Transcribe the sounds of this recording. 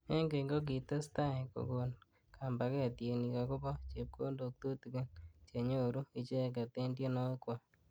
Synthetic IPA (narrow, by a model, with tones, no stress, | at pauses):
e˦ŋɡe˨ŋɡo˦k̬i˨ta˦sta˦e˨ko̰˨ɡo˨n | kʰa˨mba˨kɛ˦a˨tje˨ni˨ka˨kʊ˦bɔ˦t͡ʃe˨p̚kʰo˦ndo˨k̚t̪u˦ti˨ke˦nt͡ʃe˨ɲo˦˨ɾu˦i˨t͡ʃe˦˨ka˨te˦ndje˦no˦kwa˨